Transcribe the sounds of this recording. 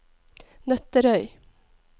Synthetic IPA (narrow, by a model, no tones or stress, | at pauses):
nœt̪əɾœʏ